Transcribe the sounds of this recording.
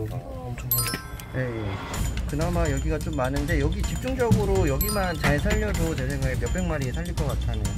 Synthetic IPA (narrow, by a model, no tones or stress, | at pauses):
je̞jekɯnamajʌɡiɡat͡ɕ͈omːanɯnde̞jʌɡit͡ɕik̚t͡ɕ͈uŋd͡ʑʌɡɯɾojʌɡimant͡ɕaesʰaʎːʌdot͡ɕesʰeŋɡaemjʌk̚p͈e̞ŋmaɾiesʰaʎːiɭk͈ʌk͈atʰane